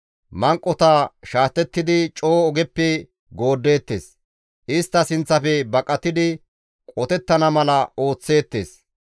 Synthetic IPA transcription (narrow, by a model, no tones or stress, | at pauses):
mɐŋkʼːɔt̪aʃaːt̪ːɛt̪ːɪd̪ɪt͡ʃʼoːɔɡɛpːɛ | ɡo̞ːd̪ːe̞ːt̪ːe̞ːs | ʔɪst̪ːɐsɪnt͡sːɐfɛbɐkʼːɐt̪ːɪd̪ɪ | kʼɔt̪ɛt̪ːɐnɐmɐlɐo̞ːt͡sːe̞ːt̪ːe̞̰ːs